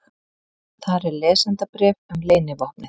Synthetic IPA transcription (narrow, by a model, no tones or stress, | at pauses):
θaɾɛɾlɛːsant̪apɾɛːvɛmleːjnɪvɔhpnɪ